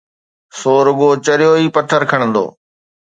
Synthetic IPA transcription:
soːɾʊɠoːt͡ɕəɾɪjoːiːpət̪ʰəɾkʰəɽ̃ə̃nd̪o̰ː

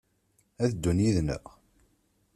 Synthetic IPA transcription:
æðd̪ːunjiðnə̰ʁ

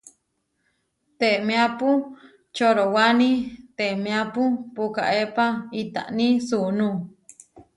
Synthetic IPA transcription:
t̪eʔmẽapu | t͡ʃoɾowanĩt̪eʔmẽapupuka̰ʔepait̪a̰ʔnĩsuʔnũ

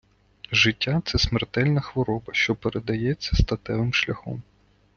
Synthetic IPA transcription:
ʒɪtʲːat̪sɛsmert̪ɛlʲnɐxʋɔɾɔbɐʃt͡ʃɔpeɾed̪ɐjɛt͡sʲːɐst̪ɐt̪ɛʋɪmʃlʲɐxɔ̰m

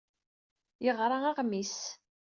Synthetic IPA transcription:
jəʁɾˤɑaʁmis

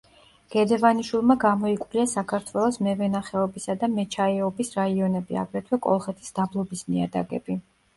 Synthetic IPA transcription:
ɡ̥ɛd̪ɛvaniʃwilˠmaɡamɔikʼwvliasakʰaɾt̪ʰwɛlˠɔsmɛvɛnaχɛɔbisad̪amɛt͡ʃʰaɛɔbisɾaiɔnɛbia̰ɡɾɛt̪ʰwɛkʼɔ̰lˠχɛt̪ʰi̥sd̪̥ablˠɔbisniad̪a̰ɡɛ̰bi

